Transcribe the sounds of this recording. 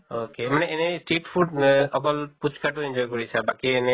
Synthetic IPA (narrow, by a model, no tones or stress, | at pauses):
okemaneɛnesʈeʈpʰuɖɔkɔlput͡ʃkaʈuend͡ʒɔjkoɹisʰabakiɛne